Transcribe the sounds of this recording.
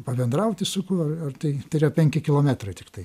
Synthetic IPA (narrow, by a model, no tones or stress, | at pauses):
pɐbʲɛnd̪ɾɐʊt̪ʲɪsʊkʊɐrɐrt̪ɐɪt̪ɐɪɾjopʲɛŋʲkʲɪkʲɪlˠoːmʲæt̪ɾɐɪt̪ʲɪ̥kt̪ɐɪ